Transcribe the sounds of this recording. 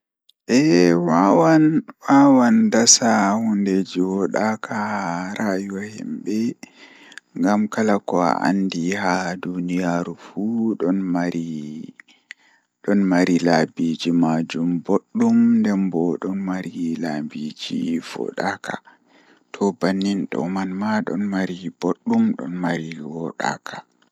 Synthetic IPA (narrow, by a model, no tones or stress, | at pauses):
ʔɛwawanwawandasahunded͡ʒiwɔɗakʰahaɾajuwahɛ̰mbɛ | ŋɡamkalakɔa̰ʔa̰ndihadunijaːɾufuɗɔnmaɾi | ɗɔnmaɾilabid͡ʒimad͡ʒumboɗːumndɛmbɔɗɔnmaɾilabid͡ʒḭfɔ̰ɗakʰa̰ | tʰɔbanːinɗɔ̰manmaɗɔ̰nmaɾiboɗːumɗɔ̰nmaɾiwɔɗa̰kʰa